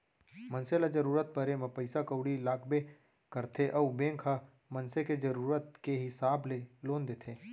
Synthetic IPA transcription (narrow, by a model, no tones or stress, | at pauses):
mənselad͡ʒɐɾuːɾət̪̚bʱəɾemẽpəɪsakəʊɽilaːɡbe | kəɾt̪ʰeʔɐubẽːŋkʰa | mənseked͡ʒəɾuːɾət̪keɦɪsaːbleloːnd̪eːt̪ʰeː